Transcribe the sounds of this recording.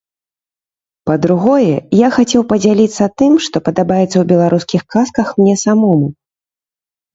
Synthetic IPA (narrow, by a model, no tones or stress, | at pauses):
pɐd̪ɾuɣɔjɛjaxat͡sʲɛwpɐd͡zʲalʲit̪sːɐt̪ɨmʂt̪ɔpɐd̪abajɛt̪sːɐwbʲɛlˠaɾuskʲixkaskɐxmnʲɛsamɔmu